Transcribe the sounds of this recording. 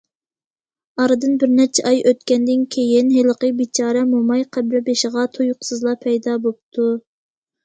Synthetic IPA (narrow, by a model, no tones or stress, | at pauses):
ɑɾɨd̪ɨnbɪɾnɛt͡ʃʰɛʔɑjøt̪̚kʲɛnd̪ɪnkʲʰejɪnɦeləqəbit͡ʃʰɑːɾɛmumɑjqʰæbɾɛbeʃɪʁɑt̪ʰojqsɨzlˠɑpʰɛjd̪ɑbop̚t̪ʰu